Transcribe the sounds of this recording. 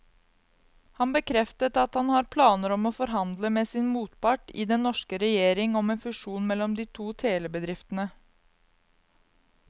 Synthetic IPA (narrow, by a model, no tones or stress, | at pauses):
hɑnbəkʰɾɛft̪ət̪ɑt̪hɑnhɑːɾpʰlɑːnəɾɔmoːfɔɾɦɑnd̪ləmeːsɪːnmuːt̪pɑʈḭːd̪ɛnnːɔʂkəɾɛjeːɾɪŋɔmeːnfʉʂuːnmɛlːɔmd̪iːt̪ʰuːt̪ʰeːləbəd̪ɾɪft̪ənə